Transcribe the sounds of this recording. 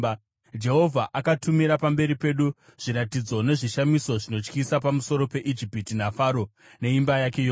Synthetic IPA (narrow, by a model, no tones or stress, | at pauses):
d͡ʒe̞ɦo̞vʱaʔakatumiɾapambe̞ɾipe̞ɗu | ʐ̥iɾatid͡zo̞ne̞ʐiʃamiso̞ʐino̞t͡ʃkisapamuso̞ɾo̞pe̞ʔid͡ʒipitinafaɾo̞ | ne̞imbajake̞joː